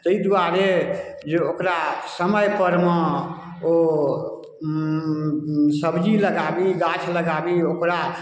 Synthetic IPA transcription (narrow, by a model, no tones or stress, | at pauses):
t̪əid̪uaɾe | d͡ʒeokɾasəməjpəɾme | o | səbd͡ʒiləɡabiɡat͡ʃʰləɡabiokɾa